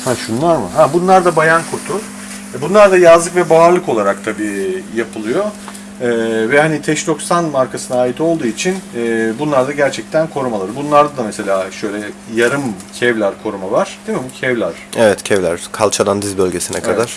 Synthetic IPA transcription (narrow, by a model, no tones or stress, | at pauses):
haʃunlˠaɾmɯ̰ɦabunlˠaɾd̪abajankʰuɾt̪ʰu | bunlˠaɾd̪ajazlˠɯkvɛbaːɾlˠɯko̞lˠaɾakt̪ʰabiːjapʰɯlˠɯjo̞ | ɛːvɛhanit̪ʰɛʃd̪o̞ksanmaɾkasɯnaːit̪ʰo̞lˠd̪uːit͡ʃʰinːbunlˠaɾd̪aɟæɾt͡ʃʰɛc̚t̪ʰænkʰo̞ɾumalˠaɾɯbunlˠaɾd̪ad̪amese̞lʲaːʃø̞jlʲɛjaɾɯmcʰɛvlʲæɾkʰo̞ɾumavaɾ̥d̪̥imibucʰɛvlʲæɾ̥ɛvɛt̪cʰɛvlʲæ̰ɾ̥kʰalˠt͡ʃʰad̪and̪izbølʲɟe̞sinɛ̰kʰad̪aɾ̥